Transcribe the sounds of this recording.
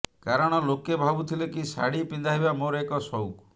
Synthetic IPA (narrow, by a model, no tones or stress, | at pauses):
kaɾɔɽ̃ɔlokebʱabut̪ʰilekisa̰ɽipind̪aɦibamoɾɔekɔsɔwk